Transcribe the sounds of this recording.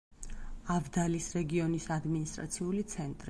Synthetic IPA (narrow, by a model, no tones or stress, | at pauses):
avd̪alisɾɛɡiɔnisad̪minist̪ʼɾa̰t̪sʰiulit̪sʰɛnt̪ʼɾi